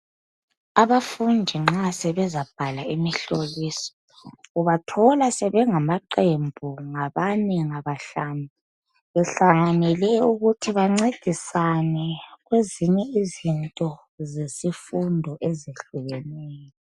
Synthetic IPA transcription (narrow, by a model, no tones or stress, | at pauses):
aβafundʱiŋ͡ǁasɛβɛzab̥̚ʱalaimiɬoliːsɔ̥ | uβatʰɔlasɛβɛŋamaǃembʱuŋaβanɛŋaβaɬaːni | βɛɬaŋanɛlɛuɣutʰiβaŋ͡ǀed̥ʱisanɛɣweziɲɛizintʼɔ | zesifundʱɔʔeziɬuɣɛnɛːjɔ